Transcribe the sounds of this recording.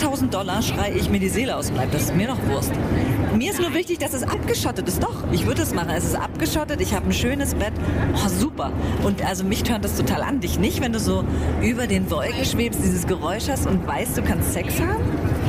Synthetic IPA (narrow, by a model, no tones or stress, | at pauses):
tʰaʊzn̩td̥ɔlɐʃʁ̥aɪəʔɪçmiːɐdiːzeːləʔaʊsblaɪp̚d̥asɪstmiːɐnɔχv̥ʊɐstmiːɐɪstnuːɐvɪçtɪçd̥asɛsʔapɡ̥əʃɔtətɪstd̥ɔχʔɪçv̥ʏɐdəasmaχn̩ɛsɪstʔa̰pɡ̥əʃɔtətɪçhaːbən̩ʃøːnəsb̥ɛtʔɔːzuːpɐʔʊntʔalzomɪçtʰøːɐt̚d̥astʰotʰaːlʔa̰ndɪçnɪçtvɛnduːzoːʔyːbɐdeːnvɔlkŋ̩ʃv̥eːpstd̥iːzəsɡ̥əʁɔʏʃhastʊntv̥aɪstd̥uːkʰanstsɛkshaːbm̩